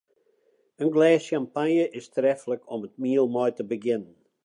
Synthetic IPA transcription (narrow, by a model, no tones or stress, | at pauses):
ənɡlɛːskampanjəʔɪstrɛfləkʰɔmət̚miəlˠmɔjtəbəɡɪnən